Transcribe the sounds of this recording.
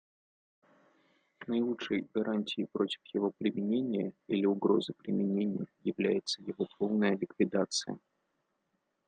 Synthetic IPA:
nəɪlˠutʂəjɡɐɾʔanʲtʲɪjɪpɾo̞tʲɪ̥fjɪvo̞pɾʲɪmʲɪnʲenʲɪjəilʲɪʊɡɾo̞zəpɾʲɪmʲɪnʲenʲɪjəjɪvlʲæjɪt̪səjɪvopovnəjəlʲɪkvʲɪd̪at̪sɨjə̰

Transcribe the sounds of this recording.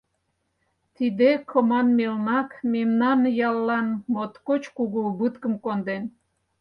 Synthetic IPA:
t̪id̪ekʰomɑnmelnɑkmemnɑnjɑlːɑnmot̪kot͡ɕkuɣubɨt̪kə̆mkond̪en

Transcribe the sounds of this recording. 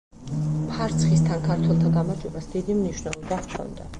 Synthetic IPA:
pʰaɾt̪sʰχist̪ʰankʰaɾt̪ʰwɛlˠt̪ʰaɡamaɾd͡ʒwɛbasd̪id̪imniʃnɛlˠɔbakʰɔ̰nd̪a̰

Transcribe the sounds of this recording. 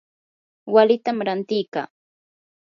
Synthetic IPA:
walɪt̪amɾant̪ɪjka̰ː

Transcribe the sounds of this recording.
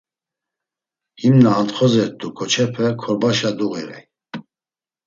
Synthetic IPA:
himnaːnt̪χɔzɛɾt̪ʼukʰɔt͡ʃʰɛpʰɛkʰɔɾbaʃad̪uɣɛɾɛ̰j

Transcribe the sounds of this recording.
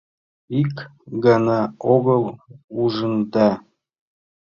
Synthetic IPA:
ikɡɑnɑoɣɤ̆lˠuʒə̆nd̪ɑ

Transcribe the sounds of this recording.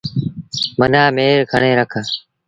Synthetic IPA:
mənaːmeːɾkʰəɳeːɾəkʰː

